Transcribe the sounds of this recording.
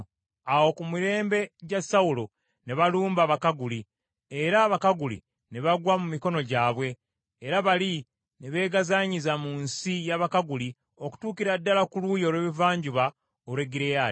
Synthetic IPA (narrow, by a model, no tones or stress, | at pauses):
awo̞kumuɾe̞ːmbe̞ɟasawulo̞ | ne̞βaluːmbaβakaɡuli | eɾaβakaɡulḭ | ne̞βaɡwamumiko̞no̞ɟaːβwe̞ː | ɾaβali | ne̞βe̞ːɡazaɲizamuːnsijaβakaɡuli | o̞ku̥tuːkiɾadːalakuluːjo̞ːlweːβivaːɲɟuβa | olwe̞ɡiɾeja